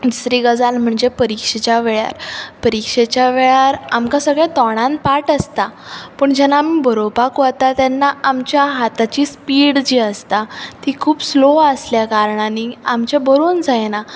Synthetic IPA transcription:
d͡ʑisɾiːɡəd͡zalm̤əɳd͡zepəɾikʂet͡ɕjaʋeɭja̰ɾpəɾikʂet͡ɕjaʋeɭaɾamkasəɡɭɛt̪ɔɽ̃ãn̚paʈəst̪apəːɳd͡ʑɛnaːmibəɾobakʋət̪at̪jɛnːaamt͡ɕjaɦat̪at͡ɕiːspiːɽd͡ʑiːəst̪at̪ikʰuːpsloəsljakaɾɳaniamt͡ɕebəɾoːnd͡zajena

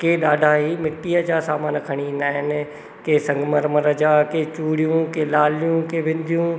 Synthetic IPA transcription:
keːɗaːɖʱaɦimɪʈːijəd͡ʑaːsaːmaːnkʰɐɽ̃iĩːn̆d̪aːɦɪnɪ̆ | keːsɐ̃ŋɡməɾməɾəd͡ʑaːkeːt͡ɕuːɽijũkelaːlijũkeːʋẽnd̪ʱijũ

